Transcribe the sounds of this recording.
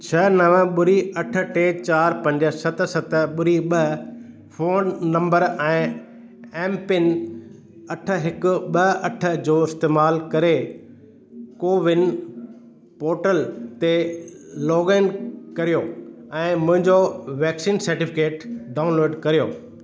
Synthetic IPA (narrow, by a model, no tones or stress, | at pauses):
t͡ɕʰɐnɐʋəɓʊɾiɐʈʰə̆ʈeːt͡ɕaːɾpɐ̃ɲd͡ʑə̆sɐt̪̆ʰsɐt̪ʰɓʊɾiɓɐ | fʰoːnːɐ̃mbəɾɛ̃ː | ɛ̃ːmpɪn | ɐʈʰə̆ɦɪkʊ̆ɓɐɐʈʰə̆d͡ʑoːɪst̪eːmaːlkɐɾe | koːʋɪnɪ | poːɾʈəlt̪eloːɡẽːnɖkɐɾijoɛ̃ːmʊ̃ɦɪ̃ɲd͡ʑoʋɛːksiːnsɐɾʈɪfʰɪkeːʈɖaːʊnloːɖkɐɾijoː